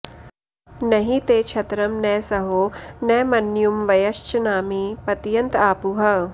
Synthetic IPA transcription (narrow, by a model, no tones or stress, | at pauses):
nɐɦit̪eːt͡ʃʰɐt̪ɾɐmnɛːsɐɦoːnɛːmɐnjumʋɐjɐʃt͡ʃɐnaːmipɐt̪jɐnt̪aːpuɦɐ